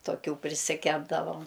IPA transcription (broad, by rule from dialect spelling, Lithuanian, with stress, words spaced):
toːˈkʲuː pʲrʲɪsʲɪˈkʲæːbdɐʋoːm